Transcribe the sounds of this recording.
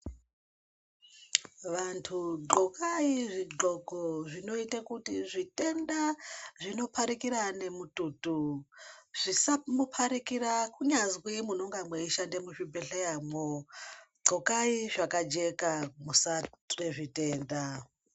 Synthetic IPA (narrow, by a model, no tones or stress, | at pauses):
ʋantʰuǃokaiʐiɡ͡ǃo̞koʐino̞itakutiʐitʼe̞ndaʐino̞pʰaɾikiɾane̞mututu | ʐ̥isamupʰaɾikiɾakuɲazwimunoŋɡamweiʃandemuʃibʱeɬejamoɡ͡ǃokaiʐakad͡ʒe̞kamusareʐite̞ːnda